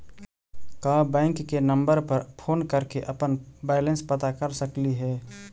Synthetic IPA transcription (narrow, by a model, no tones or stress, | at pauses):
kaːbɛ̃ːŋkːenə̃mbəɾpəɾpʰoːnkəɾkeʔɐpənbɛːlə̃nspət̪akəɾsəkliɦɛː